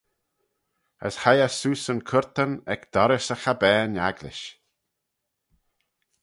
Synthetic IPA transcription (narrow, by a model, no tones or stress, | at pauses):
ə̰shajəsuːsənkʰʊɹt̪ənɛkd̪̥ɔɾɪsəxabɛːna̰ɡlɪ̰ʃ